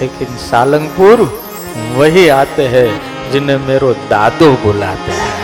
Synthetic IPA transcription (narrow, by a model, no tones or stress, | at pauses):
leːkɪnsaːlə̃ŋɡpuɾ | ʋɐɦiaːt̪eɦɛ̃ | d͡ʒɪnɦẽmeːɾod̪aːd̪oboːlaːt̪eɦɛ